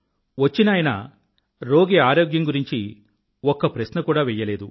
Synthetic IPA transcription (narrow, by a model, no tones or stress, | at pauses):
ʋɐt͡ʃːinaːjɐnɐ̰ | ɾo̞ːɡeaːɾoːɡjɐŋɡuɾiɲt͡ʃi | ɔkːɐpɾɐsnɐkuːɽaːʋɛjːɐle̞ːd̪u